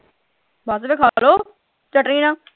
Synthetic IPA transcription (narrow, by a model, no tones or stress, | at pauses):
bʱaːs̬əbeːkʰaːloː | t͡ʃəʈɾĩnãː